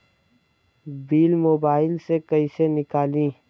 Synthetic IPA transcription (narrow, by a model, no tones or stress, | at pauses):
biːlmoːbaːɪlsekɐisenɪkaːlĩː